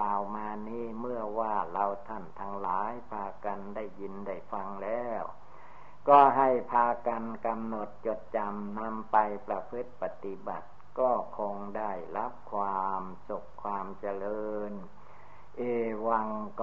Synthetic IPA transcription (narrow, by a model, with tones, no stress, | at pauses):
aː˨˩wmaː˧niː˧˥˩mɯ˥˩ɐwaː˧˩la˧wt̪ʰa˥˩nt̪ʰa˧ŋlaː˨˩˦jpʰaː˧ka˧nda˥˩jːi˧nda˥˩jfa˧ŋlɛː˦˥w | kɔː˥˩ɦa˥˩jpʰaː˧ka˧nka˧mno˨˩t̪̚t͡ɕo˨˩t̪̚t͡ɕa˧mna˧mpa˧jpɾa˧pʰɯ˦˥t̪̚pa˧˩t̪i˧ba˨˩t̪̚kɔː˥˩kʰo˧ŋda˥˩jɾa˦˥p̚kʰwaː˧msu˨˩kʰːwaː˧mt͡ɕa˧lɤː˧n | ʔeː˧˩wa˧ŋk